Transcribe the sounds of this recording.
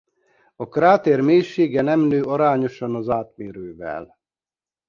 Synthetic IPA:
ɒkraːt̪ermeːjʃːeːɡɛnɛmnøːʔɒɾaːɲo̞ʃɒnɒzaːt̪meːɾøːvɛ̰l

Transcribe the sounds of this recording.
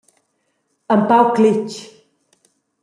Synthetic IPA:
əmpawklit͡ʃ

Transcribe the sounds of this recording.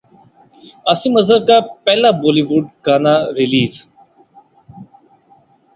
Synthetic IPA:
asĩməzəɾkaːpɛːlaːboːliːʋuɖ̚kaːnaːɾɪliːz

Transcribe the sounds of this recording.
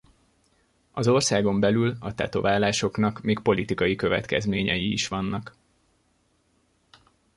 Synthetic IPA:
ɒzo̞rsaːɡo̞mbɛlylɒt̪ɛ̰t̪o̞̰vaːlaːʃo̞knɒkmeːk̚po̞lit̪ikɒjikø̞vɛ̰t̪kɛzmeːɲɛjḭːʃʋɒnːɒk

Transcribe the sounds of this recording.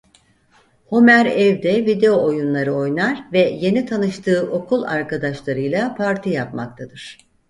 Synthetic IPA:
homæɾɛvd̪ɛvid̪e̞o̞ojunlˠaɾɯo̞jnaɾvɛje̞nit̪ʰanɯʃt̪ʰɯːʔo̞kʰulˠaɾkad̪aʃlˠaɾɯjlˠapʰaɾt̪ʰijapma̰k̚t̪ʰad̪ɯɾ̥

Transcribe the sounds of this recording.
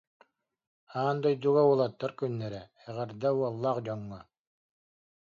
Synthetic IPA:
aːnd̪ɔjd̪uɡaulˠat̪ːaɾkynːɛɾɛ | ɛʁɛɾd̪auɔlˠːaːqd͡ʑɔŋːɔ

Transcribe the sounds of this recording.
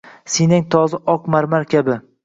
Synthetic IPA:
sinɪŋt̪ʰɒzɪʔɒqmaɾmaɾkʲabɪ

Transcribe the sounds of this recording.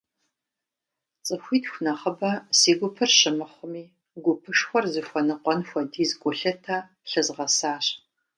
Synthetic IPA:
t͡sʼɨxʷiːtxʷnɐχəbɐsiːɡʷʊpʰɨrɕɪmɨχʷʊmiː | ɡʷʊpʰɨʂxʷɔrzɨxʷɔnɨqʷɔnxʷɔdiːzɡʷʼʊɬɐtʰaː | ɬɨzʁɐsaːɕ

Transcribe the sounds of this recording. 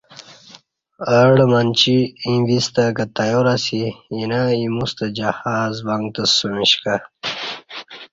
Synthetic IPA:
əɽmant͡ɕiĩvist̪ɐkɐt̪ajoɾasijinaĩmust̪əd͡ʑɐhaːzbaŋɡt̪əsumiɕka

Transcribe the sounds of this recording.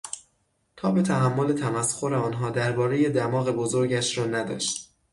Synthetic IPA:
t̪ʰɒːbe̞t̪ʰæɦæmːo̞le̞t̪ʰæmæsxo̞ɾe̞ɒːnɦɒːd̪æɾbɒːɾe̞je̞d̪æmɒːɣe̞bozo̞ɾɟæʃɾɒːnæd̪ɒ̰ːʃt̪̚

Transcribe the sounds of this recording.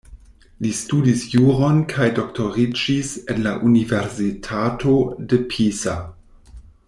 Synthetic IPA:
listudisjuɾo̞nkʰajdo̞ktʰo̞ʁid͡ʒisenlaʔuniveɾsitʰato̞depʰisa

